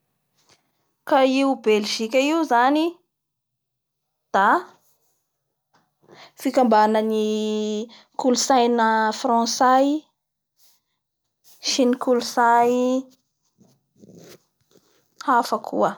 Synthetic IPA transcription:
kaiubelʒ̥ikʲəiuzani | d̪̥a | fikambanəni | kulusajnəfrɑ̃saj | ʃinikulusaj | hafəkʰṵə

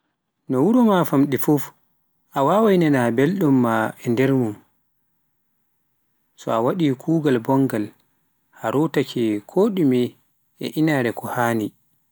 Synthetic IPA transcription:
nɔwuɾɔmafamɗifuf | ʔawaːwajnɛnabelɗumːaɛndɛɾmum | sɔ̰awaɗikʰuːɡalbɔŋɡal | haɾutakʰɛkʰoːɗumi | ʔɛ̰ʔinaːɾɛkʰɔhaːni

